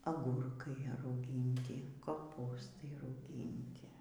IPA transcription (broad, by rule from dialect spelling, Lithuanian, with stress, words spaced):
ɐˈɡʊrkɐɪ rɐʊˈɡʲiːnʲtʲɪ koːˈpuːstɐɪ rɐʊˈɡʲiːnʲtʲɪ